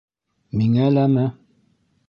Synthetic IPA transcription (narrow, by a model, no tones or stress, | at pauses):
miŋælæmæ